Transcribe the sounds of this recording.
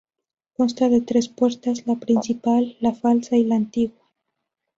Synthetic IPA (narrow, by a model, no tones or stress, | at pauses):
konst̪aðet̪ɾespweɾt̪azlapɾinsipalːafalsailaːnt̪iɣwa